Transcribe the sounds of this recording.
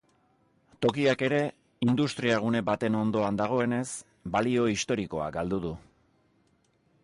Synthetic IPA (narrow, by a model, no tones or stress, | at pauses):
t̪o̞kiake̞ɾe̞ | ind̪ust̪ɾiaɣ̞une̞bat̪e̞no̞nd̪o̞and̪aɣ̞o̞e̞ne̞s | balio̞ist̪o̞ɾiko̞a̰ɡald̪uðu